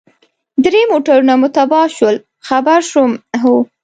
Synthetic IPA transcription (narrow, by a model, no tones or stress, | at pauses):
d̪ɾemoʈaɾunamʊt̪abɑʃwəl | xabaɾʃumɦu